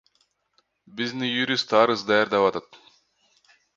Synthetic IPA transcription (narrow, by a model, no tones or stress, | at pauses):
biznijuɾʲist̪ɑɾɯzd̪ɑjaɾd̪ɑpɑt̪ɑt̪